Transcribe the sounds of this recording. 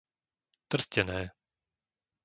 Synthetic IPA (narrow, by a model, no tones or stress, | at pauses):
t̪r̩scɛnɛː